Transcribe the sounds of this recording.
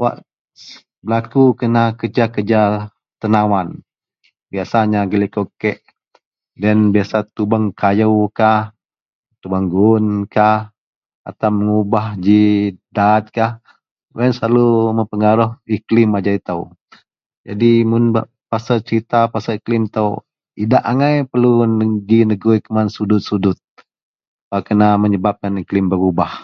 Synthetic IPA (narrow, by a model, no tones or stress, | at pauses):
wa̰ʔ | bəlakukənakəd͡ʒakəd͡ʒa | t̪ənawan | biasaɲaɡəlikokɛʔ | danbiasat̪ubaŋkʰajəwkah | t̪ubaŋɡunkah | a̰t̪aməŋubahd͡ʒidat̪̚kah | wɛnsəlaluməmpəŋaɾɔhiklɪmad͡ʒait̪aw | d͡ʒadimʊnba | pasat͡ʃəɾit̪apasaiklɪmt̪əw | idaʔaŋajpərlunəɡinəɡujkəmansudʊt̪̚sudʊt̪̚ | pakənaməɲəbap̚kaniklɪmbəɾubah